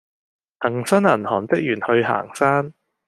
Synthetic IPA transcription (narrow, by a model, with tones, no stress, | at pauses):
hɐ˨˩ŋsɐ˥nɐ˨˩nhɔː˨˩nt͡sɪ˥k̚jyː˨˩nhɵ˧ɥɦa̰ː˨˩ŋsaː˥n